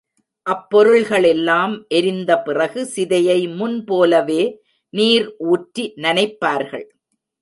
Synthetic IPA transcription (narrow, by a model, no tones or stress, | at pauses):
ʔɐpːɔɾɯɭɣɐɭɛlːaːmʔɛɾɪnd̪ɐpɪrɐɣɯsɪðɐjɐɪmʊnpoːlɐʋeː | niːɾʔuːʈɾinɐnɐɪpːaːɾɣɐ̰ɭ